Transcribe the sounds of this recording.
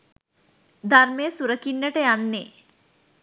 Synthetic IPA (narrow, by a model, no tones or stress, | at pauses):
d̪armejəsuɾəkinːəʈəjanːe